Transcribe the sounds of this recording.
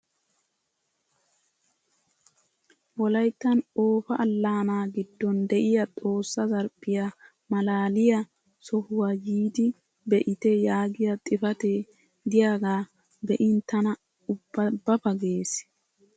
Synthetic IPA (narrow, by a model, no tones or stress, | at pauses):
wɔlɐjt̪ːɐnoːfɐʔɐlːaːnaːɡɪd̪ːɔnd̪ɛʔɪjɐt̪ʼo̞ːsːɐzɐɾpʼːɪja | mɐlaːlɪjɐ | sɔhʊwaːjiːd̪ɪ | bɛʔɪt̪ɛjaːɡɪjɐt̪ʼɪfɐt̪eː | d̪ɪjaːɡaː | bɛʔɪnt̪ɐnɐ | ʊbːɐbːɐpɐɡeːs